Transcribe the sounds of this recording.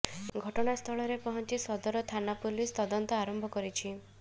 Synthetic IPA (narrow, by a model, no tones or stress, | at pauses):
ɡʱɔʈɔɽ̃ast̪ʰɔɭɔɾepɔɦɔnt͡ʃisɔd̪ɔɾɔt̪ʰanapulist̪ɔd̪ɔnt̪ɔaɾɔmbʱɔkɔɾit͡ʃʰi